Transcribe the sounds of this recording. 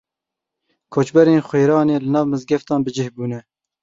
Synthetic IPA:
kʰoːt͡ʃbɛɾeːnxʷweːɾɑːneːlɨnɑːvmɨzɡɛft̪ɑːnbɨd͡ʒɪhbuːnɛ

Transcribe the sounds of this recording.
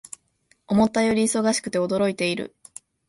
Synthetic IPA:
o̞mo̞t̪ːajo̞ɾʲiːso̞ɡaɕi̥kɯ̟t̪e̞o̞d̪o̞ɾo̞it̪e̞iɾɯ̟̰

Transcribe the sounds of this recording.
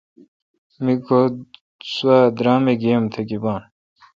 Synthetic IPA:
miko | swad̪ɾaːmeɡijɐmt̪ʰekibaːn

